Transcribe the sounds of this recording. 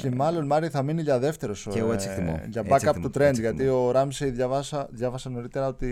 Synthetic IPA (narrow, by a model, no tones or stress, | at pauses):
ce̞mɐlo̞nmɐɾiθɐminiʝɐðe̞ft̪e̞ɾo̞soɣḛʎɐbbɐkɐpot̪ot̪ɾe̞ndd̪ʝɐt̪io̞ɾɐmsejðʝɐvɐsɐðʝɐvɐsɐno̞ɾit̪e̞ɾɐo̞t̪i